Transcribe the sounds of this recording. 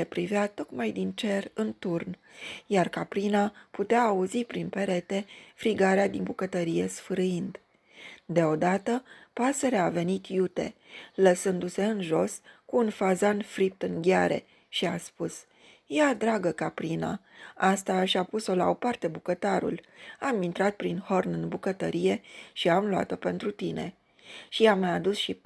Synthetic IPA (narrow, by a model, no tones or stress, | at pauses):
epɾiveat̪o̞kmajd̪int͡ʃe̞rɨnt̪urnjarkapɾinaput̪eaːuzipɾinpe̞ɾe̞t̪e̞fɾiɡaɾead̪inbukət̪əɾije̞sfɨɾɨind̪ | d̪e̞o̞d̪at̪əpase̞ɾeave̞nit̪jut̪e̞̰ləsɨnd̪use̞ɨnʒo̞skuːnfazanfɾip̚t̪ɨŋɡʲaɾe̞̰ | ʃiaspus | jad̪ɾaɡəkapɾina̰ast̪aʃapuso̞lao̞part̪e̞bukət̪aɾṵlamint̪ɾat̪̚pɾinho̞rnɨnbukət̪əɾije̞ʃiamloa̰t̪o̞pe̞nt̪ɾut̪ine̞̰ | ʃiamajad̪usʃi